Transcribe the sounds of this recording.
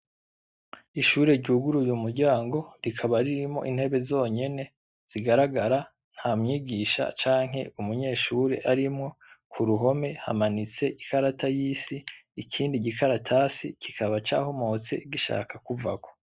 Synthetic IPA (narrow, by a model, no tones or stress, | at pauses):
iʃuːɾe̞ɾɟuːɡuɾujumuɾɟaːŋɡo̞ɾikʰaβaɾiɾimo̞̰ʔin̥he̞βe̞zo̞ːɲe̞ne̞ | z̥iɡaɾaɡaɾa | n̥haːmŋiːɡiʃa̰t͡ʃaːŋ̥ɦe̞̰umuɲe̞ːʃuːɾe̞̰ʔaɾimŋo̞kʰuɾuɦo̞me̞ha̰manit͡se̞ʔikaɾatʰajiːsiːkʰiːndiɟikʰaɾatʰasikikʰaβat͡ʃa̰ːho̞mo̞t͡se̞̰ɡiʃa̰ːkakuvako̞̥